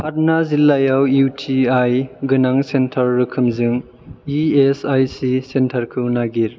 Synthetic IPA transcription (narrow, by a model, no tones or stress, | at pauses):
pʰat̚nazilːajawutʰiajɡɯnaŋsentʰaɾːɯkʰɯmzɯŋ | iesajsisentʰaɾkʰɯnaɡiɾ